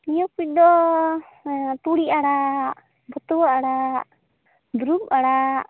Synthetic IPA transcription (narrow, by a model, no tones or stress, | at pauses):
ijɔk̚bit̪̚d̪ɔ | t̪uɽiʔaɽa | bɔt̪ɔwaʔaɽa | d̪ɾup̚aɽa